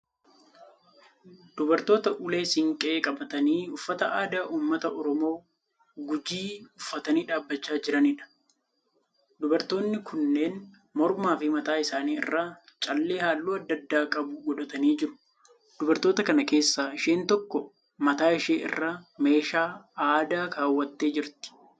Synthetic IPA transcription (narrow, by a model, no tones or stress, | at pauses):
d̪̥ʊbɐɾt̪o̞ːt̪ɐʔʊle̞ːsɪŋkʼɛeːkʼɐbɐt̪ɐniːʊfːɐt̪ɐʔaːd̪aːʔuːmːɐt̪ɐʔɔɾɔmo̞ː | ɡʊd͡ʒiːʊfːɐt̪ɐniːᶑaːbːɐt͡ʃːaːd͡ʒɪɾɐnɪᶑɐ̥ | d̪ʊbɐɾt̪o̞ːnːɪkʰʊnːe̞ːn | mɔɾmaːfɪmɐt̪aːɪsaːniːɪ̰rːaːt͡ʃʼɐlːe̞ːhaːlːuːɐd̪ːɐd̪ːaːkʼɐbʊɡɔᶑɐt̪ɐniːd͡ʒɪɾʊ̥ | d̪̥ʊbɐɾt̪o̞ːt̪ɐkɐnɐke̞ːsːaːɪʃeːnt̪ɔkːɔ | mɐt̪aːɪʃeːʔɪ̰rːaːme̞ːʃaːaːd̪aːkaːwːɐt̪ːe̞ːd͡ʒɪɾt̪ɪ̥